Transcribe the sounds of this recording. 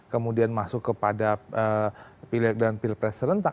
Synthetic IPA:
kəmudianmasʊkːəpadaəpilɛk̚danpilpɾɛsəɾənt̪a

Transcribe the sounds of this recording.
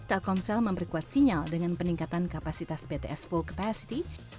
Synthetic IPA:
t̪ɛlkɔmsɛlməmpəɾrkuat̪siɲaldəŋanpəniŋkat̪ankapasit̪asbet̪eʔɛsfulkḁpasi̥t̪i

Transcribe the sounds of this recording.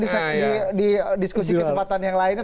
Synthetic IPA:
isdididiskusikəsəmpat̪anjaŋlaɪn

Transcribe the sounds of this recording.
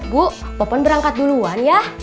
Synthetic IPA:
buʔapapɔnbəɾaŋkat̪̚duluanja

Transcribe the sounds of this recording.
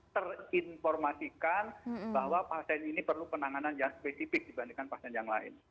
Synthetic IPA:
t̪ərinfɔrmasikanbaɦwapasɛninipərlupənaŋananjaŋspesifɪk̚dibandiŋkanpasɛnjaŋla̰ɪ̰n

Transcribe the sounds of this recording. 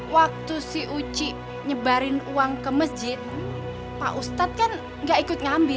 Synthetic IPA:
wak̚t̪usihʔut͡ʃiʔ | ɲəbaɾɪnuwaŋkəməsd͡ʒɪt̪̚ | pa̰ʔust̪at̪̚kan | ŋɡaikʊt̪̚ŋambɪ

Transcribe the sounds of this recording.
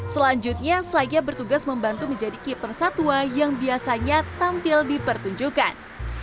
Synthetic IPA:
səlaɲd͡ʒut̪̚ɲasəad͡ʒabərt̪uɡasməmbant̪uməɲd͡ʒadikipərsat̪uajaŋbiasaɲat̪ampɪldipərt̪uɲd͡ʒukan

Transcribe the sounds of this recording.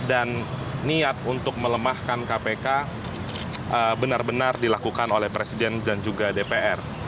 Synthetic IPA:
danːiat̪̚unt̪ʊk̚mələmahkankapeka | əbənarbənardilakukanolɛhpɾesidɛndand͡ʒuɡadepeʔɛr

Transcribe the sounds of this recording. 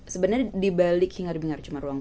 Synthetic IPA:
səbənadibalɪkhiŋaɾibiŋart͡ʃumaruaŋ

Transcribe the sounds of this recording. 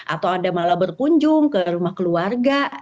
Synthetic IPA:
ʔat̪awadamalabərkuɲd͡ʒʊŋkəɾumahkəluarɡa

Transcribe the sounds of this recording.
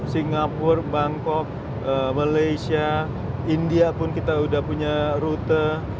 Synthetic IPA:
siŋɡapʊrbaŋkɔk̚ | əmalaisia | indiapʊnkit̪audahpuɲaɾut̪ə

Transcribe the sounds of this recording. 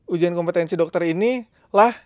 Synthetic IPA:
ud͡ʒuankɔmpət̪ɛnsidɔk̚t̪ərini | lah

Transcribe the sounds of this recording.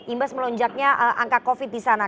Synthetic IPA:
imbasməlɔɲd͡ʒak̚ɲaʔəʔaŋkakofɪt̪̚disana

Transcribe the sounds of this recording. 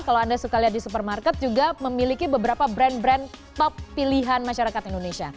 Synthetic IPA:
kalawandasukaliɦat̪̚disup̬ərmarkɛt̪̚d͡ʒuɡaməmilikibəbəɾapabɾɛnbɾɛnt̪ɔpːiliɦanmaʃaɾakat̪indonesia

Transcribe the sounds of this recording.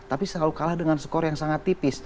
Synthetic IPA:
t̪apisəlalukalahdəŋansə̥kɔɾjaŋsaŋat̪ːipɪs

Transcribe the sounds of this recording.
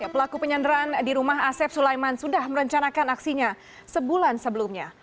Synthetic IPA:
pəlakupəɲandəɾandiɾumaɦasɛp̚sulajmansudahməɾəɲt͡ʃanakanaksiɲa | səbulansəbəlumɲa

